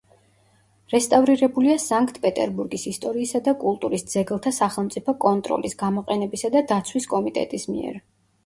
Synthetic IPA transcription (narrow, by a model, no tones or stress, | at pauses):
ɾɛst̪ʼavɾiɾɛbuliasaŋkʰt̪ʰʼpʼɛt̪ʼɛ̰ɾbuɾɡisist̪ʼɔɾiːsad̪akʼulˠt̪ʼuɾisd̪z̥ɛɡlˠt̪ʰasaχɛlˠmt̪sʼipʰɔkʼɔnt̪ʼɾɔ̰lisɡamɔqʼɛnɛbisad̪ad̪at̪sʰwiskʼɔmit̪ʼɛ̰t̪ʼismḭɛ̰ɾ